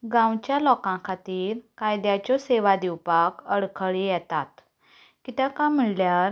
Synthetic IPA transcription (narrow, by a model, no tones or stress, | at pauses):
ɡãwt͡ɕjalɔkãkʰat̪iːɾkajd̪jat͡ɕɔseʋad̪iwpakəɽkʰəɭijɛt̪at̪ | kit̪akam̤iɭljaɾ